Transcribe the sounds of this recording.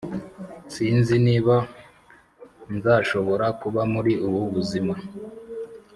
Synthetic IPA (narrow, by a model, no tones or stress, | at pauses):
siːnziniːβa | nzaːʃo̞βo̞ɾakuβamuɾiʔuβuβuzima